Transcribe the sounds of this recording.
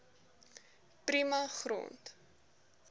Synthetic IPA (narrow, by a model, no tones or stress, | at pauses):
primɐχro̰nt